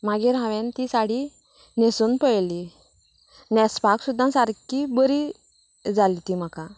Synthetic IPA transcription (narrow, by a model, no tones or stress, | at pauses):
maɡiɾãʋɛ̃nt̪isaɽi | nesunpəjli | nɛspaksud̪ʱːãsaɾkibəɾi | d͡zalit̪im̤aka